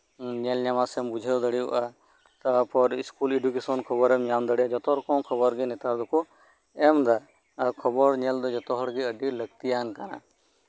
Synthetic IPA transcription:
ɲɛlɲamasɛɛmbud͡ʒʱed̪əɽiṵʔa | t̪apɔɾiskuleɖukesɔnkʰɔbɔɾɛmɲamd̪əɽiad͡ʒɔt̪ɔɾkɔ̃kʰɔbɔɾɡinɛt̪aɾd̪ɔkʰu | ɛmd̪a | kʰɔbɔɾɲɛld̪ɔd͡ʒɔt̪ɔɦɔɽɡiəɖiləɡ̚t̪ijankana̰

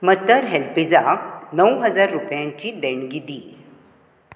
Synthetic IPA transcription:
mət̪əɾɦelpid͡zanəwɦəd͡zaɾːupjãɲt͡ɕiːd̪ɛɳɡid̪iː

